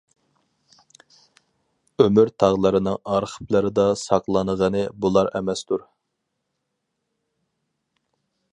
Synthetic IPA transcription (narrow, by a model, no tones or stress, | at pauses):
ømyɾt̪ʰɑʁlˠəɾɨnɪŋɑɾχʰə̥plˠɨɾɨd̪ɑsɑqlˠɑnəʁənɨbulˠɑɾɛ̰mɛst̪uɾ